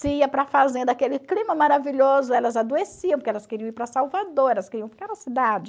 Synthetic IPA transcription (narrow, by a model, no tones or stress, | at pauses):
sɪiɐpɾɐfazẽnd̪ɐakelɪklĩmɐmaɾaviʎozʊɛlɐzad̪uesiɐ̃pʊɾkɛlɐskeɾiɐ̃iɾpɾɐsawvad̪oɾɛlɐskeɾiɐ̃fi̥kaɾɐsid̪ad͡ʒɪ